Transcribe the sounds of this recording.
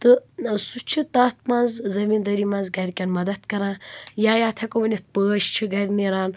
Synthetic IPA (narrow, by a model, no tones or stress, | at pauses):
t̪ɨsut͡ʃʰit̪aːt̪̚mɐnzzɐmind̪ɐɾimɐnzɡɐɾʲkʲɐnmɐd̪ɐt̪kɐɾãːjaːjaːt̪ʰɐkomɐnʲit̪̚pəːʃt͡ʃʰɨɡɐɾʲniɾaːn